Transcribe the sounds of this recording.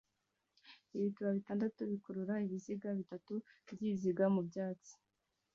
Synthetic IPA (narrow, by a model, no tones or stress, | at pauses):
iβituβaβitaːndatuβikoɾuɾaiβiziɡaβitatubɟiziɡamubɟaːt͡si̥